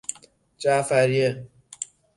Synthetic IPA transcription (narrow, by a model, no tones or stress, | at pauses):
t͡ʃafaɾje